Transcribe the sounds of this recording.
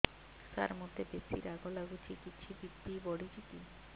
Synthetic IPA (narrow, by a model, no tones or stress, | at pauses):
sa̰ɾmod̪ʱːebesḭɾaɡolaɡut͡ɕʰikit͡ɕʰibibːibɔɽid͡ʑiki